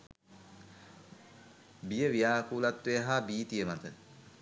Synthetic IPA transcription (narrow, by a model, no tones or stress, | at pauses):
bijəʋijaːkuːlat̪ʋejɦaːbiːt̪ijəmat̪ə